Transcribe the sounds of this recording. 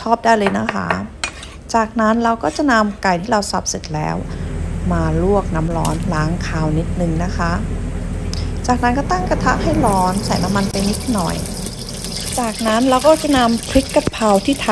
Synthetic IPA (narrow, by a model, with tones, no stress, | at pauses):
t̪ʰɔː˥˩p̚daː˥˩jlɤː˧jna̰˦˥kʰa̰˦˥ | t͡ɕaː˨˩k̚na˦˥nɾa˧wkɔː˥˩t͡ɕa˨˩na˧mka˨˩jt̪ʰiː˥˩ɾa˧wsa̰˨˩p̚sɯ˨˩t̪̚lɛ̰ː˦˥wmaː˧lu˥˩ək̚na˦˥mlɔ̰ː˦˥nlaː˨˦˥ŋkʰaː˨˩wni˦˥t̪̚nɯ˨˧ŋna˦˥kʰa˦˥ | t͡ɕaː˨˩k̚na˦nkɔː˥˩t̪a˥˩ŋka˧t̪ʰa̰˦˥ʔ̚ha˥˩jlɔː˦˥nsa˨˩˦jna˦˥mːa˧npa˧jni˦˥t̪̚nɔ̰˨˩j | t͡ɕaː˨˩k̚na˦˥nɾaː˧wkɔː˥˩t͡ɕa˨˩na˧mkʰɾi˦˥k̪̚ka˧˥pʰːaː˧wt̪ʰiː˥˩t̪ʰː